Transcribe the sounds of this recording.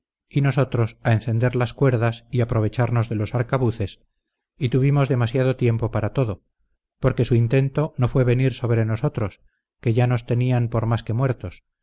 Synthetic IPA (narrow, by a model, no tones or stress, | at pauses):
ino̞so̞t̪ɾo̞sae̞nθe̞nd̪e̞ɾlaskwe̞ɾðasiapɾo̞βe̞t͡ʃaɾno̞zðe̞lo̞saɾkaβuθe̞s | it̪uβ̞imo̞zðe̞masjað̞o̞t̪je̞mpo̞paɾat̪o̞ðo̞ | poɾke̞suint̪e̞nt̪o̞no̞fwe̞βe̞niɾso̞βɾe̞no̞so̞t̪ɾo̞s | ke̞ʝano̞st̪e̞niampo̞ɾmaske̞mwe̞ɾt̪o̞s